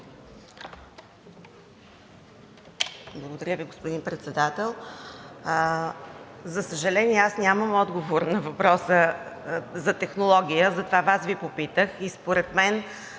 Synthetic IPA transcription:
blˠəɡod̪ɐɾʲəviɡospod̪inpɾɛt̪sɛd̪at̪ɛlˠ | zɐsəʒɐlɛniɛasnʲaməmɔd̪ɡovoɾnɐvɐpɾɔsə | zɐt̪ɛxnolˠɔɡʲijəzɐt̪ovavasvipopit̪əxispoɾɛt̪mɛn

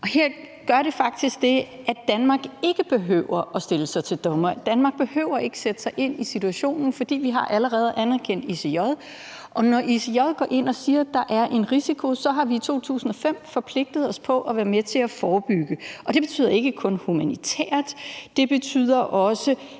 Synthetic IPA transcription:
ʔɒ̽heɐ̰ | ɡ̥ɶɐɾe̝fɑ̈ɡ̥̚d̥isɡ̥̚d̥e̝ | ʔæd̥ænmɑ̈ɡ̥e̝ɡ̥əb̥e̝ɦø̰ʊɐʔɒ̽sd̥e̝ləsɑ̈ɪt͡sʰe̝ld̥ɒ̽mɐd̥ænmɑ̈ːɡ̥̚b̥e̝hø̰ːʊ̰ɐe̝ɡ̥ə̥sed̥ə̥sɑ̈ɪʔe̝n̰isit͡sʰuæɕo̝̰ːnn̩fɒ̽d̥ḭːʋiɦɑ̈ʔæləʁɛːð̞̩ˠʔænæɐkʰen̰d̥isejɒðˠ | ʔɒ̽nɒʔisijɒðˠɡ̥ɒ̰ːʔe̝n̰ɒ̽siːɐd̥ɑ̈ʔæɐʔe̝nʁisikʰo̝sɒ̽ɦɑ̈ʋiːt͡sʰo̝̰ːt͡sʰṵːsn̩ɒ̽fem̰fɒ̽pʰle̝ɡ̥̚d̥ð̞ˠɒ̽spʰɒ̽ʔæʋæːɐmet͡sʰe̝æfɒːb̥yɡ̥əʔɒ̽d̥e̝b̥e̝̥t͡sʰy̰ð̰ˠɐe̝ɡ̥əkʰɔ̽nhumænit͡sʰɛ̰ːɐ̰d̥d̥e̝b̥e̝t͡sʰy̰ð̰ˠɐʔɒ̽sə

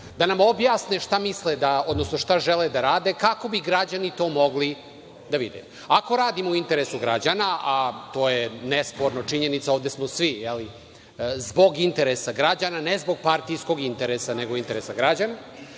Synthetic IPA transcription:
d̪anamo̞bjaːsneʂt̪amisled̪aod̪no̞sno̞ʂt̪aʒɛled̪aɾaːd̪ekako̞biɡɾad͡ʑanit̪o̞ːmo̞ɡli | d̪aʋḭd̪ḛ | ako̞ɾaːd̪imouint̪e̞ɾesuɡɾad͡ʑanaʔat̪o̞ːjenespoɾnot͡ʂiɲenit̪saoːʋd̪esmosʋijeli | zbo̞ɡint̪eɾesaɡɾad͡ʑananezbo̞ɡ̚paɾt̪ijsko̞ɡint̪eɾesaneɡoint̪eɾesaɡɾad͡ʑana

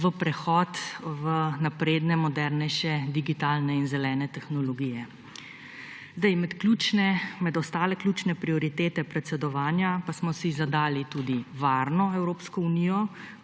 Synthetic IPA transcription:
ʋəpɾɛxɔt̪ʋənapɾeːd̪nɛmɔd̪ɛɾnɛjʃɛd̪iɡit̪aːlnɛinzɛlɛːnɛt̪ɛxnɔlɔɡiːjɛ | zd̪ajmɛt̪klut͡ʃnɛmɛd̪ɔst̪aːlɛklʲuːt͡ʃnɛpɾiɔɾit̪eːt̪ɛpɾɛt̪sɛd̪ɔʋaːnjapasmɔsizad̪aːlit̪uːd̪iʋaːɾnɔɛwɾoːpskɔuniːjɔ

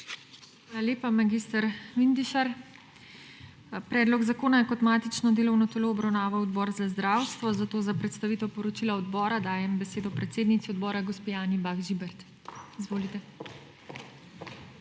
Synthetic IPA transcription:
xʋaːlaleːpamaɡiːst̪aɾʋind̪iʃaɾ | pɾɛːd̪lɔɡzakoːnajɛkɔt̪maːt̪it͡ʃnɔd̪eːlɔwnɔt̪ɛloːɔbɾawnaːʋawɔd̪bɔːɾzazd̪ɾaːwst̪ʋɔzat̪oːzapɾɛt̪st̪aʋiːt̪ɛwpɔɾɔt͡ʃilaɔd̪bɔːɾad̪aːjɛmbɛseːd̪ɔpɾɛt̪seːd̪nit̪iɔd̪bɔːɾaɡɔspijaːnibaɡʒibɛɾt̪ | izʋoːlit̪ɛ

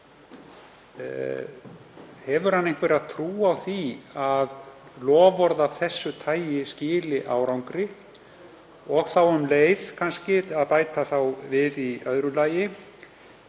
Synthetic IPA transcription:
hɛvʏɾ̥hanːejŋ̥kvɛɾaðt̪ʰɾuːawθiaðlɔːvɔɾðavθɛsːʏt̪ʰaːjjɪscɪːlɪʔaːwɾawŋkɾɪ | ɔɣθawʏmleːjð̥kʰanscɪtaðpaːjt̪aθawvɪðiœðɾʏlaːjɪ

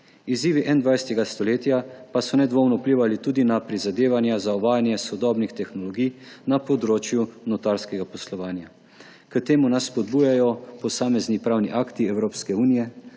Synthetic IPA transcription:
iziːʋiʔɛnd̪ʋajsɛt̪ɛɡast̪ɔleːt̪japasɔnɛd̪ʋoːwnɔupliːʋalit̪uːd̪inapɾizad̪eːʋanjazaɔʋaːjanjɛsɔd̪ɔːbnixt̪ɛxnɔlɔɡijnapɔd̪ɾoːt͡ʃjunɔt̪aɾskɛɡapɔslɔʋaːnja | kət̪eːmunasːpɔd̪buːjajɔpɔsaːmɛznipɾaːwniʔaːkt̪iɛwɾoːpskɛuːnijɛ

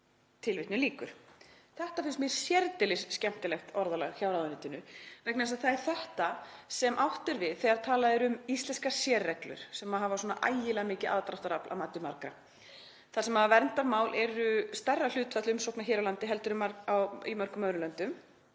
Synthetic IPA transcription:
t̪ʰɪlvɪht̪nʏliːkʏɾ̥θɛht̪afɪnst̪mjɛɾ̥sjɛɾt̪ɪlɪsscɛm̥t̪ɪlɛxt̪ɔɾðalɛ̰ɣçawɾaðʏnɪt̪ɪnʏvɛknɛsaθaɛɾ̥θɛht̪asɛmʔawht̪ʏɾvɪðθɛɣaɾ̥t̪ʰaːlaðɪɾʏmist̪lɛnskḁsjɛːrɛklʏ̰ɾ̥sɛmaɦavaswɔːnaʔa̰jjɪlɛːɣamɪːcɪʔa̰ðt̪ɾahft̪aɾaplʔa̰maːt̪ʏmaɾkɾa | θasɛmhavɛɾnt̪aɾmaːwlʔɛɾʏst̪ɛrːal̥ʏːt̪fɛt̪lʏʏmsɔwknaçɛːɾawlant̪ɪɦɛlt̪ʏɾʏmaɾawḭmœɾ̥kʏmœðɾʏlœnt̪ʏm

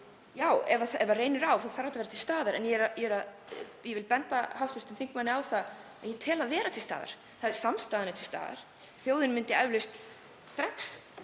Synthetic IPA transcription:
jaːwɛvaθɛvareːjnɪɾawθaðθaɾajt̪veːɾat̪ʰɪlst̪aːðaɾɛ̰njɛɾajɛɾað | jɛvɪlpɛnt̪ahawht̪vɪɾ̥t̪ɪnθiŋkmanːɪawθaðaðjɛt̪ʰɛːlaðvɛːɾat̪ʰɪlst̪a̰ːða̰ɾ̥ | θaðɪɾ̥samst̪aːðɪnʏt̪ʰɪlst̪a̰ːða̰ɾ̥ | θjowðɪnmɪnt̪ɪavlɪst̪ | st̪ɾaks

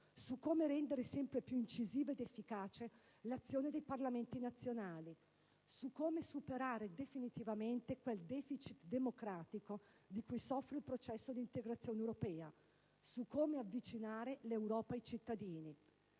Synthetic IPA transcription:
sukːoːmeɾɛnd̪eɾesɛmpɾepjuint͡ʃiziːvaed̪efːikaːt͡ʃe | lat̪sːjoːned̪ejparlament̪inat̪sːjonaːli | sukːoːmesupeɾaːɾed̪efinit̪ivament̪ekweld̪ɛːfit͡ʃit̪d̪emokɾaːt̪iko | d̪ikujsɔfːɾeilpɾot͡ʃɛsːod̪iːnt̪eɡɾat̪sːjoːnewɾopɛːa | sukːoːmeavːit͡ʃinaːɾelewɾɔːpaejt͡ʃit̪ːad̪iːni

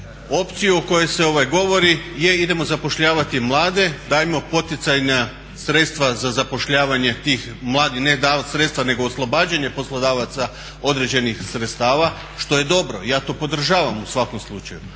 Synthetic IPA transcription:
o̞pt̪sijuoko̞je̞se̞o̞ʋajɡo̞ʋo̞ɾije̞id̪e̞mo̞zapo̞ʃʎaːʋat̪imlˠaːd̪e̞d̪aːjimo̞po̞t̪it̪sajna | sɾe̞t̪st̪ʋazazapo̞ʃʎaːʋaɲe̞t̪iːx | mlˠaːd̪ixned̪aːʋat̪sɾe̞t̪st̪ʋane̞ɡo̞ːslˠo̞baːd͡ʒaɲe̞po̞slˠod̪aːʋat̪sa | o̞d̪ɾe̞d͡ʑe̞nixsɾet̪st̪aːʋa | ʃt̪o̞je̞d̪o̞bɾo̞̰jaːt̪o̞ːpo̞d̪r̩ʒaːʋamusʋako̞mslˠut͡ʃaju

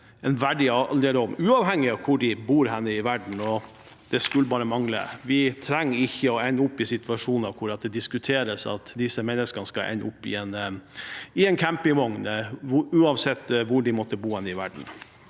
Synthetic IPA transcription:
ɛnʋæɖɪɑld̪eːləɔmʉːɑːʋhɛŋːɪɑʋkʰʊɖɪbuːɾɦɛnːəɪʋæɖɳ̩ɔ | d̪̥ɛskʉlːəbɑːɾəmɑŋlə̰ʋɪt̪ʰɾɛŋːɾɪçːəɔɛnːəʊpːɪsɪt̪ʉɑʂuːnɑʋkʰʊɾɑt̪̚d̪ɛd̪ɪskʉt̪ʰeːɾəsɑ̰t̪d̪ɪsəmɛnːəskənəskɑlʔɛ̰nːəʊpːɪ̰ɛn | ɪɛnkʰæmpɪŋʋɔŋnʉːɑʋsɛt̪ːʋʊɖɪmɔt̪ːəbuːhɛnːəɪʋæ̰ɖɳ̩

